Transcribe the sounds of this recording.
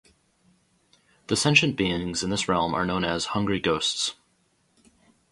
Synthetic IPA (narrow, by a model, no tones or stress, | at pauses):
ðɨsɛ̃nʃɨ̃nb̥iɪ̃ŋzɨ̃nðɪsɹɛlˠmə̰˞nõʊ̃nɨz̥hʌ̃ŋɡɹiɡoʊsts